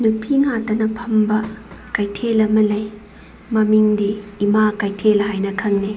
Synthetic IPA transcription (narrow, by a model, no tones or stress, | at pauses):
nupʰiŋatɐnɐpʰɐmbɐkajtʰelɐmɐlɐj | mɐmiŋdiːmakajtʰelɦajnɐkʰɐŋne